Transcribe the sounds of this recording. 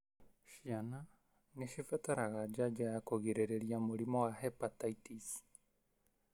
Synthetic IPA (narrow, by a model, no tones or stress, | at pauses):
ʃiana | neʃifɛt̪aɾaɣad͡ʒad͡ʒaakoɣiɾeɾeɾiamoɾimɔwaɦɛpat̪aitisi̥